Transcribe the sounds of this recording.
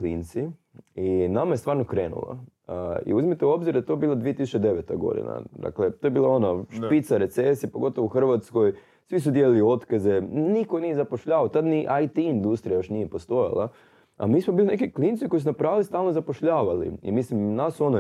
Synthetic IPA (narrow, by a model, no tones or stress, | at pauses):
klḭːnt̪si | inamajest̪ʋaːɾnokɾeːnṵla̰ḭuzimit̪eo̞bziɾd̪aet̪o̞biːlad̪ʋiet̪isu̥t͡ʃed̪e̞ʋet̪aɡo̞̰d̪ḭna̰d̪a̰klet̪ojebiːlˠao̞naʃpit̪saɾe̞t̪sesipoɡo̞t̪oʋouxr̩ʋat̪skoj | sʋisud̪jelilio̞t̪kaze̞nikonijezapoʃʎaːʋaot̪ad̪niʔajt̪iind̪ust̪ɾijajo̞ʃnijepo̞st̪o̞ja̰lˠa̰ | a̰miːsmobiːline̞kikliːnt̪siko̞jis̬unapɾaːʋilist̪aːlˠnozapo̞ʃʎaːʋalḭḭmislimnasuono